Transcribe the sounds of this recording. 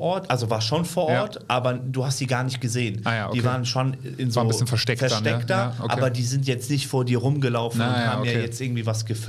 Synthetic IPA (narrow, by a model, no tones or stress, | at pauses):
ʔɔɐtʔalzovaːɐʃoːnfoːɐʔɔɐtʔaːbɐduːhastz̥iːɡaːɐnɪçt̚ɡ̥əzeːənajḁiːvaːʁənʃon | ɪnzonɪsçənfɐʃtɛkfɛɐʃtɛkktɐʔa̰bɐdiːzɪntjɛt͡stnɪçtfoːɐdiːɐʁʊmɡəlaʊfn̩ːʊnhhaːbm̩jaːjɛt͡stʔɪɐɡŋ̩tv̥iːvasɡ̥əf